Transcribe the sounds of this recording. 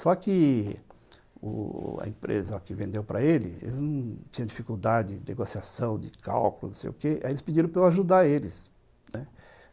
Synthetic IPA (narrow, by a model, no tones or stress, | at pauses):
sɔkɪ | ʊ̰ɐ̰ḛ̃mpɾḛzɐkɪvẽnd̪ewpɾɐelɪ̰ḛlɪznɐ̃w̃t͡ʃĩɲɐ̃d͡ʒifikuwd̪ad͡ʒɪd̪eɡosiasɐ̃w̃d̪ɪkʰa̰wkʊlʊ̰nõw̃sḛjʊkeaielɪspɪd͡ʒiɾɐ̃w̃pɾawaʒud̪aelɪs | nɛ